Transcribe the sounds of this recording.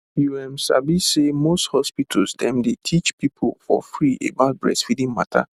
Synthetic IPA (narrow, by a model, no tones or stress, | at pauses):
juɛmsa̰bisemosthɔspitʰasdɛ̃mdetʰit͡ʃpipʰolfɔ̰fɾiʔḛbat̚bɹɛ̰sfidĩŋma̰tʰa̰